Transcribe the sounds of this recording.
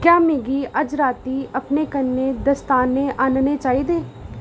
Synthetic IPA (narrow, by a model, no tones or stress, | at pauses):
kjaːmeːɡiːʔəd͡ʒɾaːt̪iːəpneːkənːeːd̪əst̪aːnːeːʔaːnneːt͡ʃaːiːd̪eː